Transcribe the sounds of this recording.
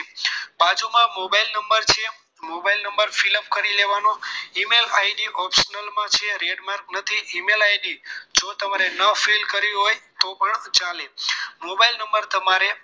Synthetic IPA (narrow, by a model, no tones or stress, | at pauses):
bad͡ʒumãmobailnəmbəɾt͡ʃʰe | mobailnəmbəɾfiləpkəɾileʋanoimelajɖiʔɔpʃənəlmãt͡ʃʰeɾeɖmaɾk̚nət̪ʰiʔimelajɖid͡ʒot̪əmaɾenəfelkəɾiɦojt̪opəɳt͡ʃalemobailnəmbəɾt̪əmaɾe